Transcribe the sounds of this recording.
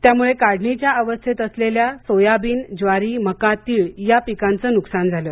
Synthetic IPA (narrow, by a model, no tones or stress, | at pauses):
t̪jamuɭekaɽ̤ɳit͡ɕjaəʋəst̪ʰet̪əsleljasojabiːnd͡zʋaɾiːməkat̪iːɭjapikãnt͡səːnuksand͡zʱalə